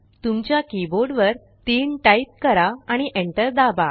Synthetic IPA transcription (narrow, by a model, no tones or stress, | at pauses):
t̪umt͡ɕjakiboɾɖʋəɾ | t̪iːnʈajt̪̚kəɾaaɽ̃iʔẽɳʈəɾd̪aba